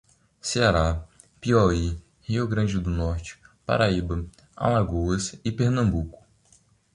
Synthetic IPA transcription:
seaɾa | piɔi | hiʊɡɾɐ̃d͡ʒɪd̪ʊnɔɾt͡ʃɪ̥pa̰ɾaibɐ | a̰laɡowɐsɪpeɾnɐ̃mbukʊ̥

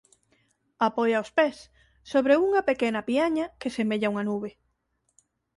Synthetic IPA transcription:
apɔjaospesː | oβɾeuŋɐpekenɐpiaɲɐkesemeʎauŋɐnuβe

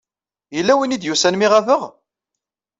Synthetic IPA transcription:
jəlːæwinid̪jusænmiʁævəʁ

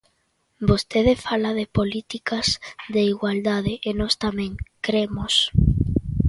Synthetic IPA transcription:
bost̪eðɪfalaðɪpolit̪ikɐzðeiɣwald̪aðɪʔːnɔst̪amɛ̃ŋkɾemos

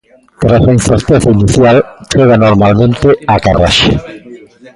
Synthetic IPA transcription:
t̪ɾasainθeɾt̪eθainiθjalt͡ʃeɣanoɾmalmẽnt̪ɪakara̰ʃḛ

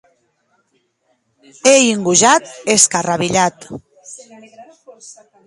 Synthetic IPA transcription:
eiŋɡuʒat̪̚eskaraβiʎat̪

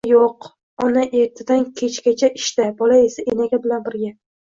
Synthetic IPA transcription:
joq | ɒnaʔe̞ɾt̪ʰɪd̪ankʲʰe̞t͡ʃkʲat͡ʃʰaʔɪʃt̪abɒlae̞saʔenaɡʲabɪlanbɪɾɡʲa

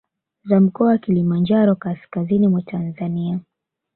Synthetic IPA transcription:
zam̩kɔawakilimand͡ʒaɾɔkaskazinimwatʰanzania

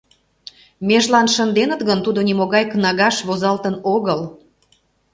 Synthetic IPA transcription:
meʒlɑnʃənd̪enət̪ɣənt̪ud̪onimoɣɑjknɑɣɑʃβozɑlt̪ənoɣəl

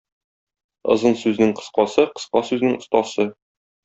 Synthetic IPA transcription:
ɤ̰̆zɤnsʉznɘŋqɤ̆sqɑsɤqɤ̆sqɑsʉznɘŋŏst̪ɑsɤ

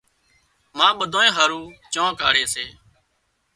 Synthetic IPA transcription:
mãːɓəd̪ʱõːẽːɦəːɾũːt͡ʃãːka̰ːɽeːseː

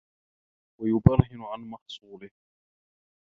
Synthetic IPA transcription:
wajʊbɑɾhɪnʊʕanmɑħsˤuːlɪh

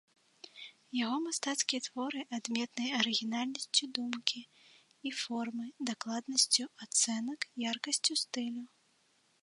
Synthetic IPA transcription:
jaɣɔmast̪at̪skʲijɐt̪vɔɾɨʔad̪mʲɛt̪nɨjɐɐɾɨɣʲinalʲnɐsʲt͡sʲud̪umkʲiː | fɔrmɨd̪aklˠad̪nɐsʲt͡sʲuat̪sɛnɐkjarkɐsʲt͡sʲust̪ɨlʲu

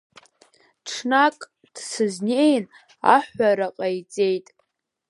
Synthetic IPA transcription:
ʈ͡ʂʰnakʼ | d̥sɨznejn | a̰ħʷaɾaqʼajt͡sʼejtʼ

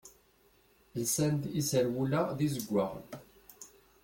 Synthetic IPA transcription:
jəsænd̪isəɾwulaðizəɡʷːaʁn

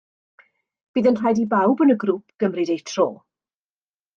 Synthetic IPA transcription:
b̥iːðənr̥ajdibawbənəɡɾup̚ʰɡ̥əmrɨdejtʰroː

